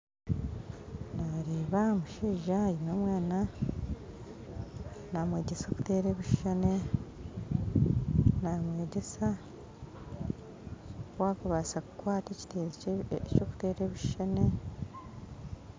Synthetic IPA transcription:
naɾeːβamuʃeːʒajimwemwaːna | namwe̞ːɟeso̞ːku̥te̞ːɾeːβiʃʃane | namwe̞ːɟe̞sa | waːkuβasaku̥kwaːtecte | coku̥te̞ːɾeːβiʃʃane

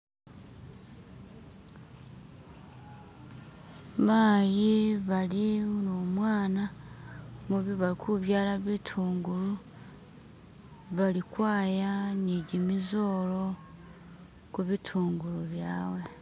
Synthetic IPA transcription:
maːjiβaliunoːmwaːna | muβiβalikʰuβjaːlaβitʰuːŋɡulu | βalikwaːjaniɟimizolo̞ | kuβitʰuːŋɡuluβjaːwe

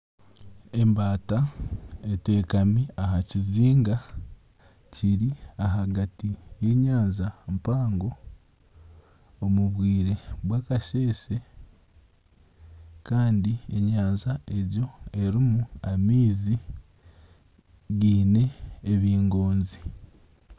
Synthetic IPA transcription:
e̞mbaːtaete̞ːkamiaɦaciziːŋɡa | ciɾiaɦaɡatije̞ːɲaːnzampaːŋɡo̞ | muβwiːɾe̞βwaːkaʃe̞ːse̞ | kaːndie̞ɲaːnzae̞ɾjo̞e̞ɾimuamiːzi | ɡiːne̞ːβiːŋɡo̞ːnzi

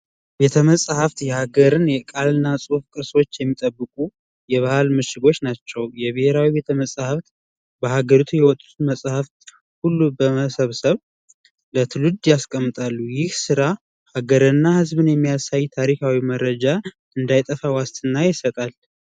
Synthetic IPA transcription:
be̞t̪ʰəməsʼhaft̪jɛhaɡəɾɨnjɛkʼalɨnːasʼufkʼɨɾso̞t͡ʃːjɛmːit̪ʼəbːɨkʼu | jɛβahalmɨʃɪɡo̞t͡ʃːnat͡ʃːɛwjɛβɨheɾawibe̞t̪ʰəməsʼhaft̪ | bəhaɡəɾut̪ʰujɛwɔt̪ʼut̪ʰuməsʼhaft̪ | hulːubəəsəβsəβ | lət̪ʰɨlud̪jaskʼəmːɨt̪ʼalːujɪhsɨɾa | haɡəɾɨnːahɨzbɨnjɛmːijasajt̪ʰaɾikʰawiməɾːəd͡ʒa | ɨnd̪ajt̪ʼəfawast̪ʰʼɨnːajɪsət̪ʼal

